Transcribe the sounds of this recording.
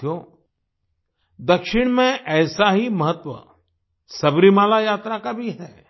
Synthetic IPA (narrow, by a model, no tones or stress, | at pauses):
jo | d̪ɐkʃɪɽ̃mẽʔɛːsaɦimɐɦət̪ːwʋə̰ | sɐbɾimaːlajaːt̪ɾakabʱiɦɛː